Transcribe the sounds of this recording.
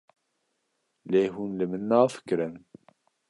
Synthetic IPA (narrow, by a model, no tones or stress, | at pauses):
leːɦuːnləmənːaːfə̥kɾən